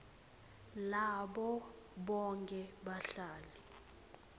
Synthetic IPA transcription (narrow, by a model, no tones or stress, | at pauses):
laɓɔ | ɓɔŋkʼɛɓaɬaːli